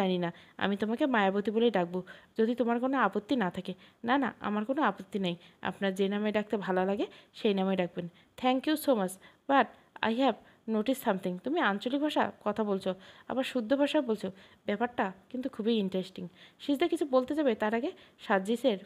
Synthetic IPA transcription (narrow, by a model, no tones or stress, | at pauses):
aninaa̰mit̪omakemajabot̪ibolejɖak̚bod͡ʑod̪ʱit̪omaɾkonoapot̪ːinat̪ʰakenana̰a̰maɾkonoapot̪ːineja̰pnaɾd͡ʑenamaeɖak̚ʰt̪ebʱalalaɡeʃejnamaeɖak̚ben | t̪ʰɛŋkjusomat͡ɕbaʈ | a̰jɦɛb | noʈisːamt̪ʰiŋt̪umiant͡ɕolik̚bʱaʃa̰kɔt̪ʰabolt͡ɕʰoa̰baɾʃud̪ʱːobʱaʃaebolt͡ɕʰo | bɛpaɾʈakint̪ukʰubiiɳʈɾesʈiŋʃisd̪eɾkit͡ɕʰubolt̪ed͡ʑabet̪aɾaɡeʃad͡ʑiʃeɾ